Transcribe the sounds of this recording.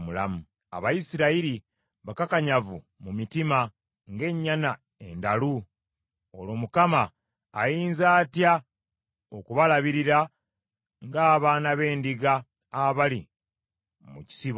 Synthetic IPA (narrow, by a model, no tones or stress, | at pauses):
mulamu | a̰βajisiɾaiɾi | βakakaɲavu | mumitima | ŋɡe̞ɲːana | e̞ndalu | olo̞mukamaː | jiːnzaːtja | okuβalaβiɾiɾa | ŋɡaːβaːnaβe̞ːndiɡaː | βali | muci̥siβ